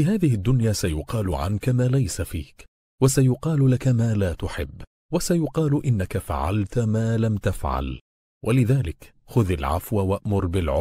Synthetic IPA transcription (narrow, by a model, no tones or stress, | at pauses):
fiːɦaːðɪhɪd̪ːʊnjaːsajʊqɑːlʊʕa̰nkamaːlajsafḭːk | wasajʊqɑːllakamaːlaːt̪ʊħɪ̰bː | wasajʊqɑːlʔɪnːakafa̰ʕa̰lt̪maːlamt̪afʕa̰l | wʔalɪðaːlɪk | xʊðalʕa̰fwawaʔmʊɾˤbɪlʕʊ